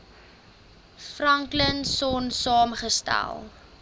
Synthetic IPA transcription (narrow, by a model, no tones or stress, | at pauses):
frɐŋklənsɔnsɑːmχəstæ̰lˠ